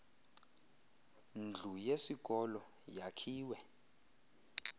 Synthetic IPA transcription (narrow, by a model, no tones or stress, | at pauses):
nd͡ɮʱujesiɡ̥ʱɔlɔ | jakʰiːwɛ